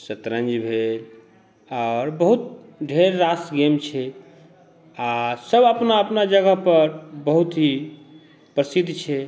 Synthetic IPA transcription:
sət̪ɾə̃nd͡ʒbʱel | ɔʊɾbəɦut̪̚ɖʱeɾːasɡemt͡ʃʰɛ | asəbəpnaəpnad͡ʒəɡəɦpəɾbəɦut̪ɦi | pɾəsid̪ʱːt͡ʃʰɛ

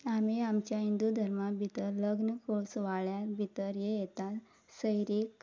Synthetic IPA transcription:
amiamt͡ɕjaɦind̪ud̪ʱəɾmabʱit̪əɾləɡnəkʰoɭsʋaɭjabʱit̪əɾjejet̪a | səjɾiːk

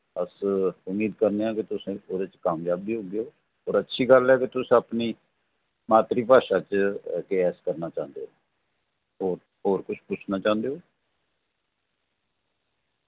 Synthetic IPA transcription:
əsʊmiːd̪kəɾneːaːkɪt̪ʊsẽːoːɾeːt͡ʃkaːmjaːbiːɦoːɡejoː | oːɾətːʃʰiːɡəlɛːket̪ʊsẽəpniː | maːt̪ɾiːpaːʃaːt͡ʃkeɛːskəɾnaːt͡ʃãːnd̪eːoː | ɦoːɾ | ɦoːɾkʊt͡ʃʰpʊt͡ʃʰnaːt͡ʃãːnd̪eːɦoː

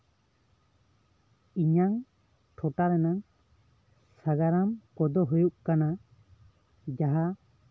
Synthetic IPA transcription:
iɲaŋ | ʈʰɔʈaɾɛnaŋ | saɡaɾamkɔd̪ɔɦujuʔkana | d͡ʒaɦa

